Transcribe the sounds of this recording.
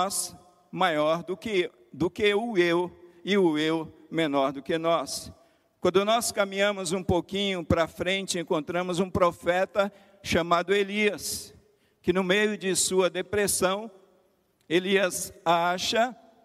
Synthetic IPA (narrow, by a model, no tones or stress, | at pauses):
s | majɔɾd̪ʊkɪ | d̪ʊkɪʊewɪʊew | mẽnɔɾd̪ʊkɪnɔs | kwɐ̃nd̪ʊnɔskɐmĩɲɐ̃mʊzũpokĩɲʊpɾɐfɾẽnt͡ʃɪẽŋkõnt̪ɾɐ̃mʊzũpɾofɛt̪ɐ | ʃamad̪ʊeliɐs | kɪnʊmejʊd͡ʒɪsuɐd̪epɾesɐ̃w̃ | eliɐzaʃɐ